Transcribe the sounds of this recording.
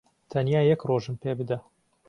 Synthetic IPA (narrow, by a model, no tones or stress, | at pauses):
t̪ʰɐnjaːjɛkroːʒɨmpʰeːbɨd̪ɐ